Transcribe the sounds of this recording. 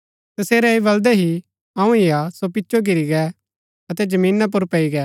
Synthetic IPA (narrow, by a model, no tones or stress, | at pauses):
t̪ɐseːɾɛeβɐld̪ɛɦi | ɐ̃ũɪjasopɪtːʃʰoɡɪɾiɡɛ | ɐt̪ɛd͡ʒɐmĩːnap̬ʊɾpɐiɡɛː